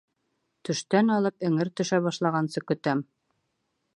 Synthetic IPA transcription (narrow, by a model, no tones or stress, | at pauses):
t̪ɵ̆ʃt̪ænɑlˠɤpɘ̆ŋɘɾt̪ɵ̆ʃæβɑʃlˠɑʁɑnsɤkɵ̆t̪æm